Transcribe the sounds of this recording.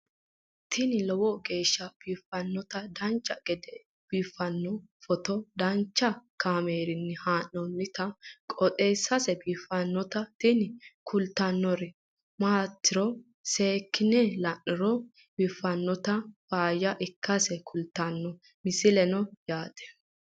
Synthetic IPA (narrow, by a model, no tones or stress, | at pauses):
t̪ɪnɪlɔwɔɡe̞ːʃːɐb̥iːfːɐnːɔt̪ɐd̪ɐnt͡ʃʼːɐɡ̥ɛd̪ɛ | b̥iːfːɐnːɔfɔt̪ɔd̪ɐnt͡ʃːɐkaːmeːɾɪnːɪhaːnɔnːɪt̪ɐkʼɔt̪ʼeːsːɐsɛbiːfːɐnːɔt̪ɐt̪ɪnɪkʰʊlt̪ːɐnːɔɾɛ | maːt̪ːɪɾɔ | seːkːɪnɛlɐnːɪɾɔ | b̥iːfːɐnːɔt̪ɐfaːjɐʔɪkːɐsɛkʰʊlt̪ːɐnːɔ | mɪsɪlɛnɔjaːd̪ɛ̥